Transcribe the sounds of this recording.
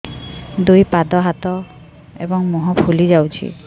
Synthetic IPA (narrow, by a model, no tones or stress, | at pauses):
d̪ujpad̪ɔɦat̪ɔ | ḛbɔŋmuɦɔpʰulid͡ʒawt͡ʃʰḭ